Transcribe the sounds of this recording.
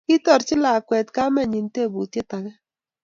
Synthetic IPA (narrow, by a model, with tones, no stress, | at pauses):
i˦tɔ˨ɾt͡ʃɪ˦la˨kwɛ˨tka˦mɛ˦˨ɲi˨n˦te˦˨bu˨tje˦ta˨ɣɛ˦